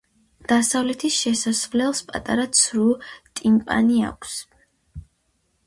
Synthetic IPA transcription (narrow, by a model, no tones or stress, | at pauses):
d̪̥asavlɛt̪ʰisʃɛsasvlɛlˠspʼa̰t̪ʼaɾat̪sʰɾut̪ʼimpʼa̰nia̰kʰs